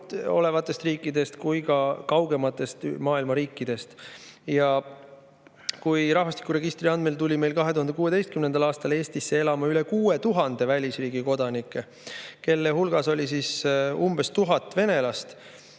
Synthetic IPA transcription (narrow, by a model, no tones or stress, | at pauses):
o̞̰le̞vɑt̪ːˑe̞st̪riːkːˑid̪e̞st̪kujkɑkɑwɡe̞mɑt̪ːˑe̞st̪mɑːilmɑɾiːkːˑid̪̥e̞st̪jɑ | kujɾɑhvɑst̪ikuɾe̞ɡ̥ist̪riɑnd̪melt̪ulʲime̞jlkɑɦe̞t̪uhɑnd̪ekuːe̞d̪e̞jst̪kymne̞nd̪̥ɑlɑːst̪ɑle̞ːst̪isːe̞e̞lɑmɑyle̞kuːet̪uɦɑnd̪̥e̞vælʲisriːɡ̥iko̞d̪̥ɑnikːˑe̞ | ke̞lːehulɡ̥ɑso̞lʲisisumb̥e̞st̪uɦɑt̪ːˑve̞ne̞lɑst̪